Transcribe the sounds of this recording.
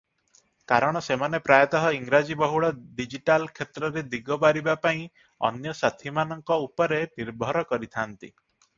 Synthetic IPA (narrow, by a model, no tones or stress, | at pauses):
kaɾɔɽ̃ɔsemanepɾajɔt̪ɔɦɔiŋɾad͡ʒibɔɦuɽɔɖid͡ʒiʈalkʰet̪ɾɔɾed̪iɡɔbaɾibapaĩ | ɔ̰njɔsat̪ʰimanɔŋkɔupɔɾeniɾbʱɔɾɔkɔɾit̪ʰant̪ḭ